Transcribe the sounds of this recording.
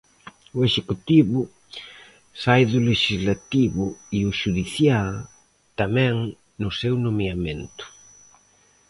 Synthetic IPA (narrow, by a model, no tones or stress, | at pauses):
ʊeʃekut̪iβʊ | sajðʊleʃizlat̪iβʊiʊʃuðiθja | t̪amɛ̃ŋ | nʊsewnõmjamẽnt̪ʊ̥